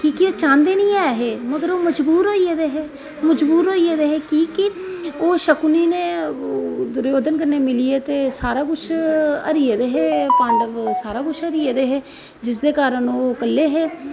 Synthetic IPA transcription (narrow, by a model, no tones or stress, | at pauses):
kiːkioːt͡ʃãːnd̪eːnĩːɛːɦeːməɡəɾoːməd͡ʒbuːɾoːieːd̪eːɦɛː | məd͡ʒbuːɾɦoːieːd̪eːɦɛːkiːkɪoːʃəkuniːneː | d̪ʊɾjoːd̪ənkəɾneːmɪliːeːt̪eːsaːɾaːkʊʃʰə̰ɾied̪eːɦeːpãːɳɖəʋsaːɾaːkʊt͡ʃʰəɾieːd̪eːɦɛː | d͡ʒɪs̬d̪eːkaːɾənoːkəlːeːɦeː